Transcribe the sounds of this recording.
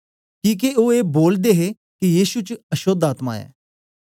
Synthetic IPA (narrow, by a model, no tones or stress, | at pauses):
kĩːk̬eoeːboːld̪eɦe | kijiːʃut͡ʃɐʃoːd̪aːt̪ma̰ɛ̰ː